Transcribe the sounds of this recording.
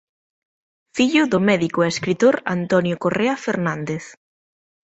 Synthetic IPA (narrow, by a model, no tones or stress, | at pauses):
fiʎʊðʊmɛðikʊeeskɾit̪oɾa̰nt̪ɔnjʊkoreafeɾnãnd̪eθ